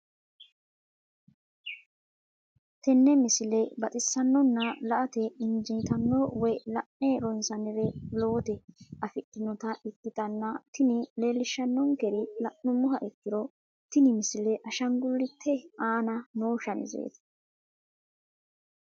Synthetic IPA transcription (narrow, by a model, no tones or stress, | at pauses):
t̪ɛnːɛmɪsɪlɛbɐt̪ʼɪsːɐnːɔnːɐlɐʔɐt̪ɛɪnd͡ʒijt̪ɐnːowɔjlɐʔneːɾɔɪnsɐnɛɾɛlo̞ːt̪ɛɐfɪʔːɪnɔt̪ɐʔɪkːɪt̪ɐnːɐt̪ɪnɪle̞ːlːɪʃːɐnːɔŋkɛɾɪlɐʔnʊmʊɦɐʔɪkːɪɾɔ | t̪ɪnɪmɪsɪlɛʔɐʃɐŋɡʊlːɪt̪ʰːɛaːnɐnoːʃɐnɪ̰zḛːt̪ɐ̥